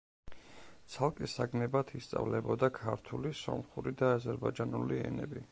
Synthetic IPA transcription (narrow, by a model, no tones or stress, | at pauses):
t̪sʰalˠkʼisaɡnɛbat̪ʰist̪sʼa̰vlɛbɔd̪akʰaɾt̪ʰulisɔ̰mχuɾid̪aːzɛɾbad͡ʒanuliɛ̰nɛbi